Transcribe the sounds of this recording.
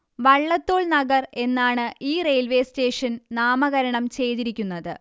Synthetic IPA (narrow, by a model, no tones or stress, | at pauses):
ʋɐɭːɐt̪ːoːɭnɐɡɐre̞nːaːɳɨiːre̞jlʋe̞ːste̞ːʂɐnnaːmɐɣɐɾɐɳɐmt͡ɕe̞jt̪iɾikʲːunːɐðɨ